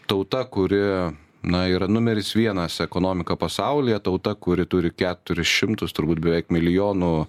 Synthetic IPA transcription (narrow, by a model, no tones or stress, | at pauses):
t̪ɐʊt̪ɐkʊɾʲɪ | nɐiːɾɐnʊmʲɛɾʲɪsʋʲiɛnɐsɛkoːnoːmʲɪkɐpɐsɐʊlʲɪjɛt̪ɐʊt̪ɐkʊɾʲɪt̪ʊɾʲɪkʲæːt̪ʊɾʲɪsʃʲɪmt̪ʊst̪ʊɾbuːt̪̚bʲɛʋʲɛɪkmʲɪlʲɪjoːnu